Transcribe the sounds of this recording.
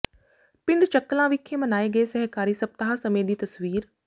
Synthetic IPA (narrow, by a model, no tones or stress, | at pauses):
pɪɳɖt͡ʃəkːlãʋɪkʰːemənaːeːɡɐesɛɦkaːɾiːsɐb̚t̪aɦãsɐmeːd̪iːt̪ɐsʋiːɾ